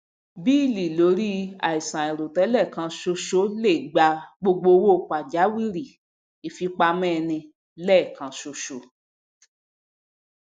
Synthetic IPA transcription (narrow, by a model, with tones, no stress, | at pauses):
bi˦i˦˨li˨lo˨˦ɾi˦a̰˨i˨sã˨i˨ɾo˨tɛ˨˦lɛ˦˨kã˧ʃo˧ʃo˦le˦˨ɡ͡ba˧ɡ͡bo˧ɡ͡bo˧wo˦˨ka˨d͡ʒa˨˦wi˦˨ɾi˨ | i˨fi˧k͡pa˧mɛ̃˦˧nĩ˧ | lɛ˦˨kã˨˧ʃo˧ʃo˨˦